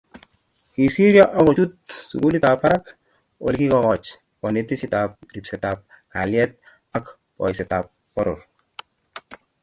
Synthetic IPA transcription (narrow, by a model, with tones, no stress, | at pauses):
hi˨si˦ɾja˦ʔɔ˦ko˨t͡ʃu˦t̚sṵ˨ku˦li˦ta˨pa˦ɾa˦k | o̰˨lki˦kɔ˨kɔt͡ʃ | ɔ˨ne˨t̪i˦si˨ta˨p̚ri˨psɛ˨tap̚ | ha˨ljɛt̪̚ | a˦k | pɔ̰˨jsɛ˨tap̚ | pɔ˦ɾoɾ